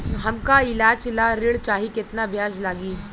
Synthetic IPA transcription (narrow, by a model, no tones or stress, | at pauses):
ɦɐmkaɪlaːd͡ʒlaɾɪɽt͡ʃaːɦikɪt̪nabʱjaːd͡ʒlaːɡiː